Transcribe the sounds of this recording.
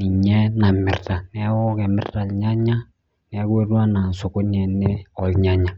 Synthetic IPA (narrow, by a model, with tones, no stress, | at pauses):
ni˨ɲɛ˦na˨mɪ̰˨rta˨nɛ˦wɔ˦kɛ˨mɪ̰˦rta˨lɲa˦ɲa˦ | nɛ˨˦kwe˦rwa˦na˨so˨ko˦ɲɛ˨nɛ˦ɔ˨lɲa˦ɲa˨